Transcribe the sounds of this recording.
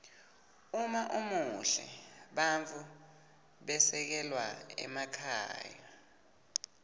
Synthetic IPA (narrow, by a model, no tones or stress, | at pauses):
umaʔumuɬɛ̰ɓaɱt͡fʰu | ɓɛsɛk̬ɛlwaɛ̰makʰa̰ːja